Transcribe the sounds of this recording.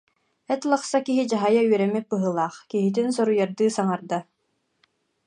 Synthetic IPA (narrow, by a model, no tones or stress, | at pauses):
ɛt̪lˠaχsakiɦid͡ʑaɦajaɥœɾɛmit̚bɯɦɯlˠaːχkiɦit̪insɔɾujaɾd̪ɯːsaŋaɾd̪a